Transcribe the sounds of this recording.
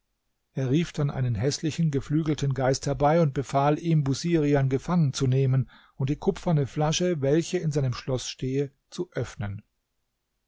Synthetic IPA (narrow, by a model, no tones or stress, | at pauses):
ʔeːɐʁiːfd̥anʔa̰ɪnənɦɛslɪçn̩ɡəflyːɡl̩tʰənɡaɪsthɛɐbaɪʊnt̚b̥əfaːlʔiːmbuziːʁianɡəfaŋənt͡suneːmən | ʊnt̚d̥iːkʰʊpfɐnəflaʃəvɛlçəɪnzaɪnəmʃlɔsʃteːə | t͡suʔœfnən